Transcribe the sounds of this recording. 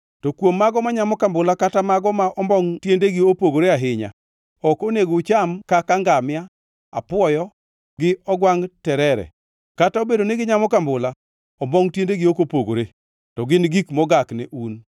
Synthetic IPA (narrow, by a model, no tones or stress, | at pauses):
tɔkwomːaɡɔmaɲamɔkambʊlakatamaɡɔmaʔɔmbɔŋtjendeɡɪopoɡoɾeaɦɪɲa̰ | ɔkoneɡot͡ʃamkakaŋɡamɪja | apwɔjɔ | ɡɪɔɡwaŋtɛɾɛɾɛ̰ | kataobedonɪɡɪɲamɔkambʊla | ɔmbɔŋtjendeɡɪokopoɡo̰ɾe | tɔɡɪnɡikmɔɡaknɛʔun